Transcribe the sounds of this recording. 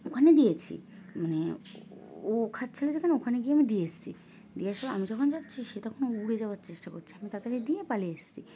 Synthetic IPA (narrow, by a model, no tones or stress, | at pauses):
okʰaned̪ijet͡ɕʰḭmane | okʰatːt͡ɕʰilod͡ʑekʰaneokʰaneɡieamid̪ijest͡ɕʰḭ | d̪iaʃɔla̰mid͡ʑɔkʰond͡ʑatːt͡ɕʰiʃet̪akʰonouɽed͡ʑaoaɾt͡ɕeʃʈako̰ɾt͡ɕʰiamit̪at̪eɾed̪iepaleeʃt͡ɕʰi